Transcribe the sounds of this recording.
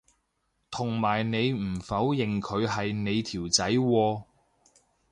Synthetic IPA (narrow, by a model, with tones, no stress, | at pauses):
t̪ʰʊ˨˩ŋmaː˨˩jne˨˧jm̩˨˩fɐ˨˥wjɪ˨ŋkʰɵ˨˧ɥɦɐ˨jne˨˧jt̪ʰiː˨˩wt͡sɐ˨˥jwɔː˧